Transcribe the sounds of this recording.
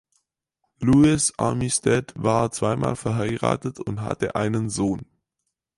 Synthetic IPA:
luɪsʔa̰mistɛtvaːɐt͡sv̥aɪmaːlfɛɐɦaɪʁa̰ːtətʊntɦa̰təʔaɪnənzoːn

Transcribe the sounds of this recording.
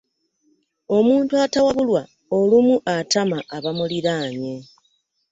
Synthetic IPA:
o̞muːntuatawaβulwa | olumuʔatamaʔːβamuliɾaːɲe

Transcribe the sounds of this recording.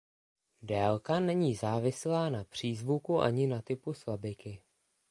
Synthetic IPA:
dɛːlkanɛɲiːzaːvɪslaːnapr̝̥iːzvukuʔa̰ɲɪnat̪ɪpusvabɪkɪ

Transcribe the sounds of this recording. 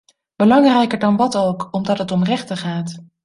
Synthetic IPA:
b̥əlɑŋrɛjkəɹdɑnʋɑtowkɔmdɑtɦətɔmrɛχtəχaːt

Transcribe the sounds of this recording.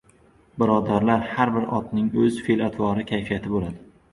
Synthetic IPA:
bɪɾɒd̪aɾlaɾhaɾbɪɾɒ̰t̪nɪŋɵzfelat̪ʰvɒɾɪkʲʰajfijat̪ʰɪbolad̪ɪ

